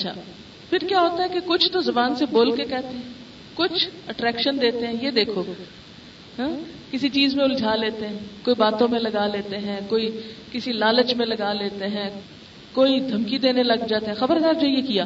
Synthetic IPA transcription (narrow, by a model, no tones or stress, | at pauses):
ɐtːʃʰa̰ː | pʰɪɾkjaːɦoːt̪aɦɛkekʊt͡ʃʰt̪ozɐbaːnseboːlkekɛɦt̪eɦɛ̃ | kʊt͡ʃʰəʈɾɛːkʃənd̪eːt̪eɦɛ̃jed̪eːkʰoː | ɦɛ̃ː | kɪsit͡ʃiːzmẽʊld͡ʒʱaːleːt̪eɦɛ̃ːkoːibaːt̪õmẽlɐɡaleːt̪eɦɛ̃ːkoːikɪsilaːlət͡ʃmẽlɐɡaleːt̪eɦɛ̃ː | koːid̪ʱɐmkid̪eːnelɐɡd͡ʒaːt̪eɦɛ̃xɐbəɾd̪aːɾd͡ʒoɦjekijaː